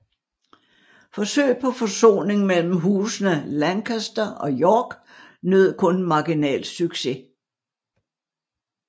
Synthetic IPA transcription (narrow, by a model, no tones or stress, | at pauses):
fɒ̽sø̰ːɪpʰɒ̽fɒ̽so̝̰ːne̝ŋmel̰m̩ɦuːsnəlænkʰæsd̥ɐɒ̽jɒːɡ̥ | nøð̰ˠkʰɔ̽nmɑ̈ɡ̥inɛ̰ːl̥syɡ̥se̝